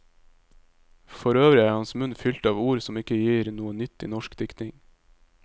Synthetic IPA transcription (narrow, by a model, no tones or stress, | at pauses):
fɔɾøːʋɾɪæːɾhɑnsmʉnfʏlt̪ɑːʋuːɾsɔmɪkəjiːɾnuːənʏt̪ːḭːnɔʃkd̪ɪkt̪ɪŋ